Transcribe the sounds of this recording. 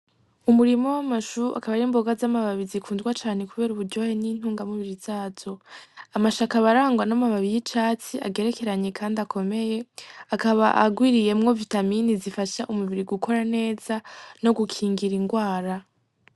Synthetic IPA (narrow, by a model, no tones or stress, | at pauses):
umuɾimo̞wamaʃuɾuʔa̰kaβaɾiːmbo̞ɡazamaβaβizikʰuːnzɡwat͡ʃaːne̞kuβe̞ːɾuβuɾɟo̞he̞nin̥uːŋɡamuβiɾiz̥aːz̥o̞amaʃakaβaɾaːŋɡwanamaβaβijit͡ʃaːt͡siʔa̰ɡe̞ɾe̞ke̞ɾaɲe̞kʰaːndakʰo̞me̞je̞akaβaʔa̰ɡwiːɾije̞mŋo̞vitaminizifaʃaʔumuβiɾiɡukʰo̞ɾane̞ːz̥ano̞ɡukʰiːŋɡiɾiŋɡwaːɾa